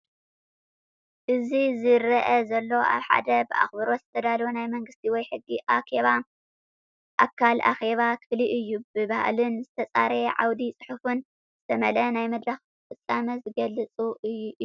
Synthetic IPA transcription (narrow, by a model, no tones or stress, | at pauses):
ʔɨzizɨɾɐʔɐzɐlːo̞ʔa̰βħa̰d̪ɐbɨʔa̰xbɨɾo̞zɨt̪ʰɐd̪alunajmɐŋɡɨst̪ʰiwɔjħɨɡːiʔaxe̞βa | ʔakʰːalʔa̰xe̞βakʰɨfliʔɨjːubɨβaha̰lɨnzɨt̪ʰɐt͡sʼa̰ɾeʕa̰wd̪it͡sʼɨħufɨn | z̥ɨt̪ʰɐmɐlɐnajmɐd̪ɾɐx | fɨt͡sʼːamɐzɨɡɐlːɨt͡sʼuʔɨjːu